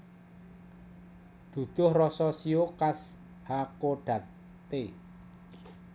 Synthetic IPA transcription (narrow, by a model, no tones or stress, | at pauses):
d̪̥ṳd̪̥ʊ̤hrɔsɔsiokas | hakoɖ̥ä̤t̪ː | e